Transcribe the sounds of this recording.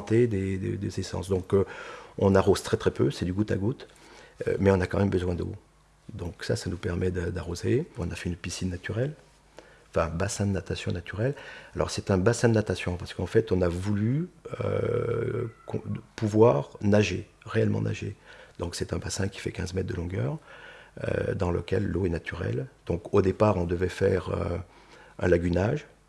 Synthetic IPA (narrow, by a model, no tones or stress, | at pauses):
ɑ̃t̪ed̪ed̪ḛd̪ezesɑ̰̃sd̪ɔ̃k | ɔ̰̃naʁoz̥t̪χɛt̪χɛpøsɛd̪yɡut̪aɡut̪ | mɛɔ̃nakɑ̃mɛmbəzwɛ̃d̪o̰ | d̪ɔ̃ksa̰sanupɛʁmɛd̪d̪aʁozeɔ̃nafɛynpisinːat̪yʁɛl | fɛ̃basɛ̃d̪ənat̪asjɔ̃nat̪ʰyʁɛlalʔɔ̰ʁsɛt̪ɛ̃basɛ̃d̪ənat̪asjɔ̃paʁsə̥kɑ̃fɛt̪ɔ̃navulyø̰ | kɔ̰̃puvwaʁnaʒeʁeɛlmɑ̰̃nʔa̰ʒed̪̥ɔ̃ksɛt̪ɛ̃basɛ̃kʲi̥fɛ̰kʲɛ̃zmɛt̪̚d̪əlɔ̃ɡœ̰ːʁø̰d̪ɑ̃lə̰kʲɛlːoɛnat̪ʰyʁɛ̰ld̪̥ɔ̃kod̪epaʁɔ̃d̪əvɛfɛʁø̰ | ɛ̰̃laɡʲynaʒ